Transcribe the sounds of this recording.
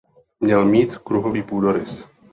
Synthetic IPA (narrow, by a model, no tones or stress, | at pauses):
mɲɛlmiːt̪kɾuɦoviːpuːdoɾɪs